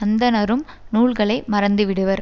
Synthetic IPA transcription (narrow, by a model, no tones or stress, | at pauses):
ɐnd̪ɐnɐɾɯm | nuːɭɣɐɭɐɪmɐɾɐnd̪ɯʋɪɽɯʋɐɾ